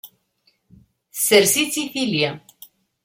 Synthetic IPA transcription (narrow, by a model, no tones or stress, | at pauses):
seɾsit͡siθilja